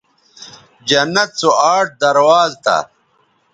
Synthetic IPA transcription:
d͡ʑɐnːɐt̪̚t͡soaːʈ̚d̪ɐɾwaːzt̪ɐ̰

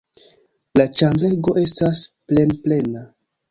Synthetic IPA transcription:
lat͡ʃaŋɡle̞ɡo̞ʔe̞stasple̞nple̞na

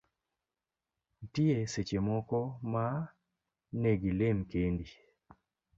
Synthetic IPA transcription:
n̩tieset͡ʃemɔkɔma | neɡilemkendi

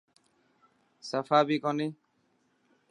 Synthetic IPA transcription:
səfaːbʱiːkoneː

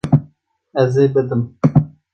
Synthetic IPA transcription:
ɛzeːbɨd̪ɨm

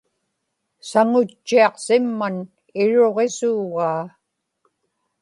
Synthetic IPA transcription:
saŋʊt͡ʃːiɑqsɪmːan | ɪɻo̞ʁesuːɣaː

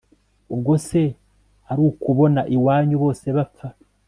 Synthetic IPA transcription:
ub̚ɡo̞se̞ | aɾuːkuβo̞naʔiwaːɲuβo̞ːse̞βap͡fa

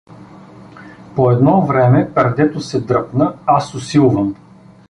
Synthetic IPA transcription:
poɛd̪nɔvɾɛmɛpɛɾd̪ɛt̪ʊsɛd̪ɾɤpnəasʊsilˠvəm

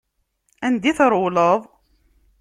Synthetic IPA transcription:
ænd̪iθɾˤʊləðˤ

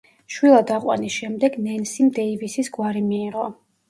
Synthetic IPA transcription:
ʃwilˠad̪aqʼwa̰nisʃɛmd̪ɛɡnɛnsimd̪ɛivisisɡwaɾimiːʁɔ

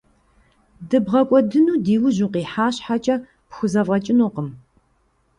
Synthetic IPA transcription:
dɨbʁɐkʷʼɔdɨnuːdiːwʊʑuːqiːħaːɕħat͡ʃʼɐ | pxʷʊzɐvʁɐt͡ʃʼɪnoːqəm

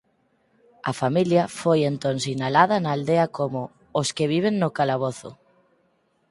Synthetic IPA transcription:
ɐ̰familjɐfojent̪onsinalað̞ɐnaːld̪eɐkomo | oskeβ̞iβ̞eŋnokalaβ̞oθʊ̰

